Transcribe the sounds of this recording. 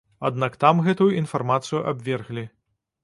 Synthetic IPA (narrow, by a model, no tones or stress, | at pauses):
a̰d̪̚nakt̪amɣɛt̪ujuʔinfarmat̪sɨjuʔabʲvʲɛrɣlʲi